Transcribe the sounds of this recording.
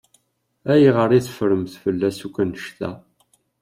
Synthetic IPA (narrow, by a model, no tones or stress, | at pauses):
æjiʁəɾˤiθəfɾəmθfəlːæsukʷːænəʃt̪æ̰